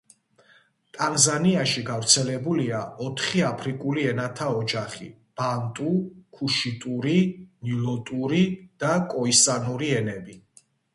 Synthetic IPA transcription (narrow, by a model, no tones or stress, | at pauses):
t̪ʼanzaniaʃiɡavɾt̪sʰɛlɛbuliaɔt̪ʰχiapʰɾikʼuliɛnat̪ʰaɔd͡ʒaχḭ | b̥ant̪ʼukʰuʃit̪ʼuɾinilɔt̪ʼuɾid̪̥akʼɔisanuɾiɛnɛbi